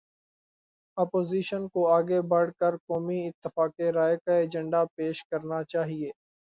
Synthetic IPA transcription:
ɐpoːziːʃənkoaːɡebɐɽkəɾkɔːmiɪt̪ːɪfaːkeɾaːekaeːd͡ʒə̃ɳɖapeːʃkɐɾnat͡ʃaːɦieː

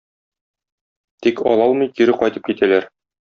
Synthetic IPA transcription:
t̪ikɒ̰lˠɑlˠmɤjkiɾɘqɒjt̪ɤp̚kit̪ʰælæɾ

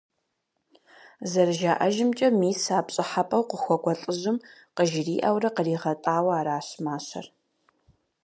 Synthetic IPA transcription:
zɐrʒaːʔɐʒɪmt͡ʃʼɐmiːsaːpɕʼɪħapʼɐwqəxʷɔɡʷɔɬʼɨzɨmqəʒɪriːʔɐwrɐqəriːʁɐtʼaːwɐaːɾaːɕmaːɕɐ̰r

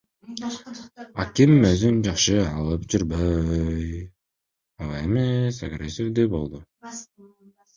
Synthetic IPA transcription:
ɑ̰kimøzynd͡ʒɑχʃɯɑlˠɯp̚d͡ʒyɾbøj | ɑlˠemesaɡɾʲesʲifd̪ybo̞̰lˠd̪ʊ

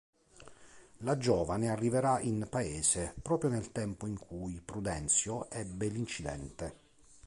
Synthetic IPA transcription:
lad͡ʒɔːvanearːiveɾaʔinpaeːzepɾɔːpɾjonelt̪ɛmpoiŋkʰujpɾud̪ɛnt̪sjoʔɛbːelint͡ʃid̪ɛ̰nt̪e

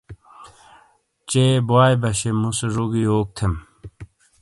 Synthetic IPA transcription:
t͡ɕeboaːjbɐɕemuseʐoɡioːk̚t̪ʰem

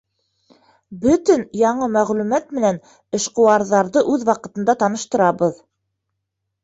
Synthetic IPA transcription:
bɵt̪ɘnjɑɴɤmæʁlʉmæt̪mɘ̆næn | ɘ̆ʃqŏwɑɾðɑɾðɤʔʉðwɑqɤ̆t̪ɤ̆nd̪ɑt̪ɑnɤ̆ʃt̪ɤ̆ɾɑβɤð

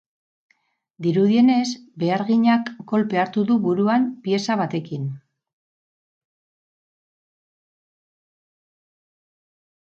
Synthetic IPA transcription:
d̪iɾuð̞ie̞ne̞zbe̞aɾɣiɲakːo̞lpe̞aɾt̪uðuβuɾuampie̞saβat̪e̞kin

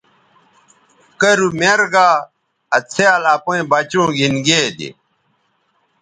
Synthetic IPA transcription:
kɐɾumeɾɡaː | ɐt͡sʰealaːpoĩbɐt͡ɕũːɡinɡeːd̪ḭ

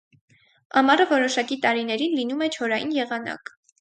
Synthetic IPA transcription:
ɑmɑrəvɔɾɔʃɑkit̪ɑɾinɛɾinlinumɛt͡ʃʰɔɾɑjḭnjɛʁɑnɑ̰k

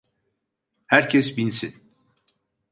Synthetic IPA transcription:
hæɾcʰɛsbinsin

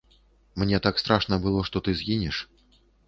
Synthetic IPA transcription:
mnʲɛt̪akst̪ɾaʂnɐbɨlˠɔʂt̪ɔt̪ɨzʲɣʲinʲɛʂ

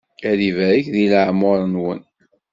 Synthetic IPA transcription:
æɾivæɾəçðiləʕmʊɾˤənwən

